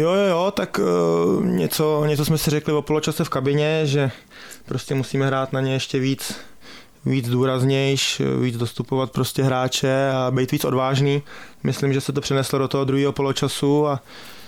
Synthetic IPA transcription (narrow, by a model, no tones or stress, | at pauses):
jojojot̪ak | ɲɛt͡so̞ɲɛt͡sosmɛsɪrɛklɪvo̞po̞lo̞t͡ʃasɛfkabɪɲɛʒɛ | pɾo̞scɛmusiːmɛɦɾaːt̪naɲɛjɛʃcɛviːt͡s | viːd͡zduːɾazɲɛjʃviːd͡zdo̞st̪upovat̪̚pɾo̞scɛɦɾaːt͡ʃɛabɛjt̪viːt͡so̞dvaːʒniː | mɪslɪimʒɛsɛt̪opr̝̥ɛnɛslodot̪oɦod̪ɾuɦiːɦo̞po̞lo̞t͡ʃasua